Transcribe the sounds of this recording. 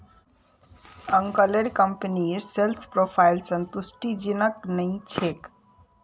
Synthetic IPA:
əŋkəleɾkəmpniɾselspɾopʰajlsənt̪usʈid͡ʒinəknəĩt͡ʃʰek

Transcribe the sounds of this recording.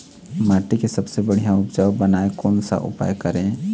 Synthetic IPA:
maːʈikesɐbsebəɽ̤ijãʊpd͡ʒawbənaːekɔːnsa̰ʔʊ̰pa̰ːjkəɾẽː

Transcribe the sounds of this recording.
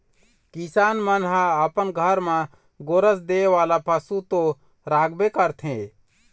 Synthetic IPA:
kisaːnmənɦãəpənɡʱəɾmã | ɡoɾəs̬d̪eːʋaːlapʰəsut̪õ | ɾaːɡbekəɾt̪ʰɦẽː

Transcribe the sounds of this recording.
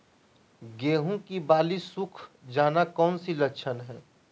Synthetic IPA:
ɡeːɦũkibaːlisʊkʰd͡ʒaːnakɔːnsilɐkʃʰənɦɛ̃ː

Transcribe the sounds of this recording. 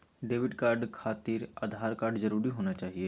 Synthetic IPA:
ɖeːʋɪɖkaːɾɖkʰaːt̪iːɾa̰d̪ʱaːɾkaːɾɖzɐɾuːɾiɦoːnat͡ʃaːɦie

